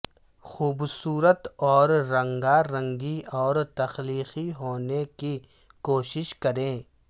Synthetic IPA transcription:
xuːbsuːɾət̪ɔːɾːɐ̃ŋɡaɾɐ̃ŋɡiɔːɾt̪ɐxliːxiɦoːneki | koːʃɪʃkɐɾẽː

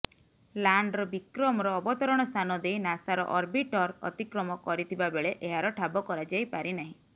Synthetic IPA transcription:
laɳɖɾɔbikɾɔmɔɾɔːbɔt̪ɔɾɔɽ̃ɔst̪ʰanɔd̪ejnasaɾɔ̰ʔɔɾbiʈɔɾɔ̰t̪ikɾɔmɔkɔɾit̪ʰibabeɭeʔeɦaɾɔʈʰabɔkɔɾad͡ʒajpaɾinaɦĩ

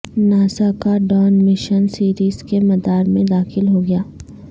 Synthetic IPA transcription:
naːsakaɖɔːnmɪʃənsiːɾiːzkemɐd̪aːɾmẽd̪aːxɪlɦoɡɐjaː

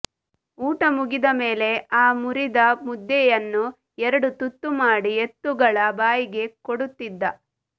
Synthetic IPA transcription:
uːʈɐmuɡid̪ɐme̞ːle̞aːmuɾid̪ɐmud̪ːɛjɐnːu | ɛɾɐɽut̪ut̪ːumaːɽiet̪ːuɡɐɭɐbaːjiɡe̞koɽut̪ːid̪ːɐ

